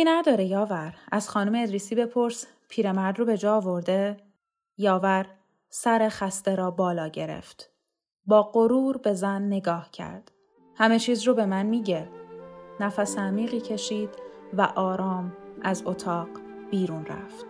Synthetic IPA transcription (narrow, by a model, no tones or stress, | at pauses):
inæd̪ɒːɾejɒːvæɾæz̥xɒːnumeːd̪ɾiːsiːbe̞pʰo̞ɾs | pʰiːɾe̞mæɾd̪robe̞d͡ʒɒːɒːvo̞ɾd̪e̞ | jɒːvæɾ | sæɾexæst̪e̞ɾɒːbɒːlɒːɟe̞ɾḛft̪ | bɒːɢo̞ɾuːɾbe̞zænːe̞ɡɒːhcʰæ̰ɾd̪̥ | hæmet͡ʃʰiːzrobe̞mænmiːɟe | næfæseæmiːɣiːcʰe̞ʃiːd̪̥væ̰ʔɒːɾɒːmæzot̪ʰɒːɢ | b̥iːɾuːnræ̰ft̪